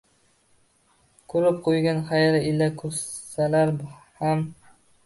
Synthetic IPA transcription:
kʰɵɾɪp̚qʰojɡʲanχajaɾɪɪlakʰɵsalaɾbham

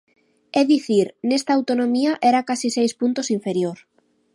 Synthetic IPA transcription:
ɛðiθiɾnest̪aːwt̪onõmiaʔɛɾakasisejspunt̪osiɱfeɾjoɾ

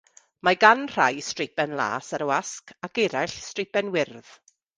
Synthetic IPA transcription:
maɡanr̥ajstrɪpɛnlˠa̰ːsaɾəwaskʰakɛɾaɬstrɪpɛnwɪrð̥

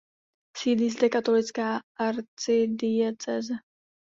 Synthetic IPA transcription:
siːlizd̪ɛkat̪olɪt͡skaːʔaɾt͡sɪdɪjɛt͡sɛzɛ

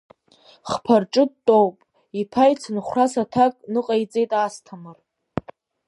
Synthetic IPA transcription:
χpʰarʈ͡ʂʼɨdtʼowpʼ | ipʰajt͡sʰɨnχʷrasatʰakʼnɨqʼajt͡sʼe̞jtʼastʰamɨr

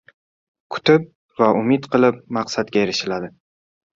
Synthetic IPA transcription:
kʰʊ̥t̪ɪp̚ | vaʊmɪt̪qʰɨlˠɪp̚mɑqsat̪̚ɡʲajeɾɪʃɪlad̪ɪ

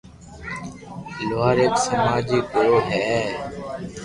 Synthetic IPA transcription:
loaːɾeːksəmaːd͡ʒiːkoɾoːɦɛː

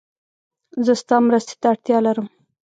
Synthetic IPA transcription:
zəst̪ɑmɾəst̪e̥t̪aaɽt̪jɑlaɾəm

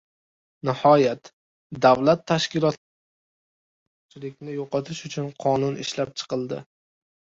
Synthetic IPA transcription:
nɪhɒjat̪ | d̪awlat̪ʰːaʃkʲɪlˠɒt̪ | t͡ʃʰɪlɪkʲnɪjoqʰɒt̪ʰɪʃʊt͡ʃʰʊnqʰɒnʊnɪʃlap̚t͡ʃʰɨ̥qɨlˠd̪ɪ̰

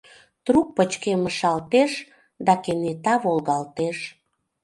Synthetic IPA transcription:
t̪ɾuk̚pət͡ɕkeməʃɑlt̪eʃ | d̪ɑkenet̪ɑβolɣɑlt̪eʃ

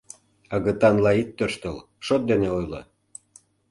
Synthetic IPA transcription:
ɑɣə̆t̪ɑnlɑit̪ːøʃt̪əl | ʃot̪̚d̪eneojlɤ̰

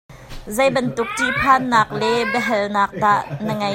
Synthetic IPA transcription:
zejbɐnt̪ʊk̚tipʰaːnːaːk̚lɛbɛɦɛlnaːk̚daːʔnɐŋɐ

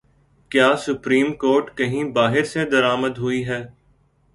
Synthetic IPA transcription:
kjaːsʊpɾiːmkoːɾʈkɐɦĩbaːɦɪɾsed̪ɐɾaːməd̪ɦʊiɦɛː

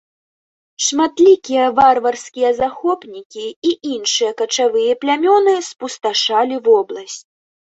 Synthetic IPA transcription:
ʂmat̪lʲikʲijɛvarvɐrsʲkʲijɐzaxɔpnʲikʲiiʔinʂɨjɐkɐt͡ʂavɨjɛplʲamʲɔnɨspust̪aʂalʲivɔblˠɐsʲt͡sʲ

